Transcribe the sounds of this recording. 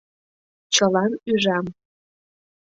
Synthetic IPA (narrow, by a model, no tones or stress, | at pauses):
t͡ɕɤlɑnyʒɑm